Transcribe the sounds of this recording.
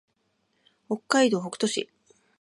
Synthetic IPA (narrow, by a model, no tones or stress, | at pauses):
ho̞kːaid̪o̞ːɦokɯ̥t̪o̞ɕḭ